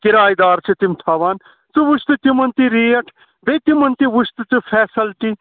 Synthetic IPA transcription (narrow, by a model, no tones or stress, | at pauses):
kiɾaːjd̪aːɾt͡ʃʰɨt̪imt̪ʰaːʋaːn | t͡sɨʋuʃt̪ɨt̪imɐnt̪iɾiːjɐʈʰ | bet̪imɐnt̪iʋuʃt̪ɨt͡sɨfʰɛːsɐlʈi